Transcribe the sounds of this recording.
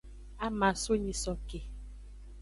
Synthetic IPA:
a˦ma˨so˦ɲĩ˨sɔ˨ke˨

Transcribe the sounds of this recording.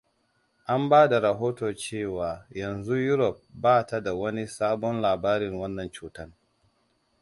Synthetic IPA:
ʔa˦mbaː˦da˨ɾɐ˨ɦoː˦toː˨t͡ʃeː˦˨waː˨jɐ˨nzu˦jʊ˦ɾɔ˨p̚baː˦ta˦da˨wɐ˦ni˦saː˦bɔ˦nlaː˨baː˦ɾɪ˨ŋwɐ˦nːɐ˨nt͡ʃuː˨tɐ˦n

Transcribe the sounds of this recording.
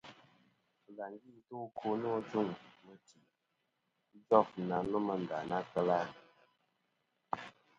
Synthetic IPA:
ə˨la˨ŋ˦ɡi˦˨˦tu˦kʰo˦nɔ˦d͡ʒu˦˨ŋmə˦ti˨˦ | d͡ʒɔ˦˨f̩˨na˨˦lɔ˦mə˦n̩˨da˨na˦kə˦la˦˨

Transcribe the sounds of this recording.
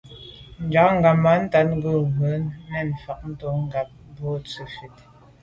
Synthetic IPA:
n̩˨d͡ʒa˨˦ŋ̩˦ɡa˨ma˨˦n̩˦ta˨˦t̚ŋ̩˦ɡə˦˨ɣwə˨˦nmɛ˦˨n̩˨fa˨ʔ̚n̩˦tɔ˦ŋ˦ɡa˨p̚m˦bɔ˦t͡sə˨fi˨t̚

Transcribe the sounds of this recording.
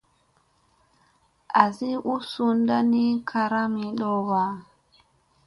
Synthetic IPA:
ʔa˨zi˦ʔu˦su˦nda˦ni˦kʰa˨ɾa˦mi˨ɗɔ˦wa˨

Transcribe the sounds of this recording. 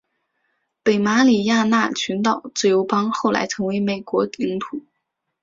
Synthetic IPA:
pe˨˩ɪma˧˥li˨˩ja˥˧na˥˩t͡ɕʰy˧˥nt̪ɑ˨˩ʊt͡sɹ̩˥˩jo˧˥ʊpɑ˥ŋxo˥˩ʊla̰˧˥ɪt͡sʰɤ˧˥ŋwe˧˥ɪme˨˩ɪkwɔ˧˥li˧˥ŋp̪ʰu˨˩˦

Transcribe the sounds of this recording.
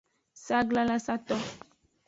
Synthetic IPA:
sa˦ɡla˦la˦sa˦t̪ɔ˦

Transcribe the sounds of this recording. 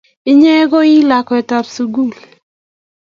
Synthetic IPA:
ɪ˦ɲɛ˦ɡɔ˦i˦la˨kɔ˨ɛ˨ta˨psu˨ɡu˦˨l

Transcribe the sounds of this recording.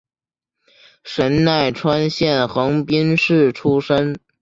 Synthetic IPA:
ʂə˧˥nna˥˩ɪʈ͡ʂʰwa˥nɕjɛ˥˩nxɤ˧˥ŋpi˥nʂɻ̩˥˩ʈ͡ʂʰu˥ʂə˥n

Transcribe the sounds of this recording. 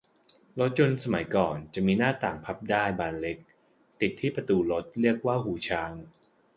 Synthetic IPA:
lo˦˥t̪̚t͡ɕo˧nsa˧ma˩˦jkɔː˨˩nt͡ɕa˨˩ʔmiː˧naː˥˩t̪aː˨˩ŋpʰa˦˥p̚daː˥˩jbaː˧nle˦˥k̚ | t̪i˨˩t̪ʰːiː˥˩pɾa˧t̪uː˧lo˦˥t̪̚ɾɯ˥˩ək̚waː˥˩ɦuː˩˦t͡ɕʰaː˧ŋ

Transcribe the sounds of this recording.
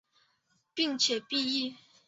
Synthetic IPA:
pi˥˨ŋt͡ɕʰjɛ˨˩˦pi˥˧i˥˩

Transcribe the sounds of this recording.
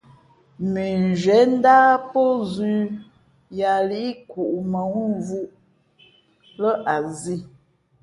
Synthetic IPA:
mi˨n˨d͡ʒɛ˨˦n̩˦daː˦po˦zʉ˦ | ja˨li˦ʔi˦ku˨ʔmə˨ŋu˦˨˦vu˦ʔ | lə˦ʔa˨zi˦˨

